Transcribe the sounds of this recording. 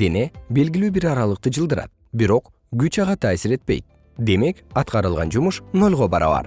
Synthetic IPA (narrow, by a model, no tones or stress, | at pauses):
d̪ene̞be̞lɡilyːbiɾɑɾɑlˠɯq̚t̪ɯd͡ʒɯlˠd̪ɯɾɑ̰t̪̚ | biɾo̞q | ɡyt͡ʃɑʁɑt̪ʰɑːsiɾe̞t̪̚pe̞̰jt̪̚ | d̪e̞me̞kɑt̪qɑɾɯlˠʁɑ̰nd͡ʒumuʃno̞lʲʁo̞bɑɾɑ̰βɑ̰ɾ